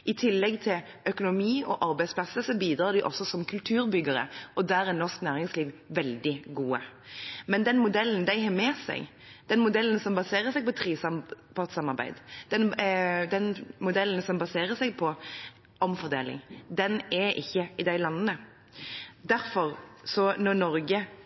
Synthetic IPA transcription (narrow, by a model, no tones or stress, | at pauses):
ʔɪt̪ʰɪlːɛɡt̪ʰɪl | ʔœkʊnʊmiːɔʔɑɾbæɪspʰlɑsəsɔbiːd̪ɾɑːd̪ɪʔɔ̰sːɔsɔmkʰʉlt̪ʰʉːɾbʏɡəɾə̰ʔɔd̪æːɾæɾnɔʁʂknæːɾɪŋsliːʋʋɛld̪ɪɡuːəmɛnd̪ɛnmʊd̪ɛln̩d̪æɪɦɑmɛːsæ̰ɡ | d̪̥ɛnmʊd̪ɛln̩sɔmbɑseːʁəsɛɪɡpɔt̪ʰɾiːsɑpɑt̪sɑmɑɾbæ̰ɪd̪d̪̥ɛnd̪ɛnmʊd̪ɛln̩sɔmbɑseːɾəsɛɪɡ̚pʰɔ | ʔɔmfɔʁd̪ḛːlɪ̰ŋd̪ɛnɛɾʔɪçːəɪd̪æɪlɑnːənə | d̪æɾfɔɾsɔnɔɾnɔɾɡə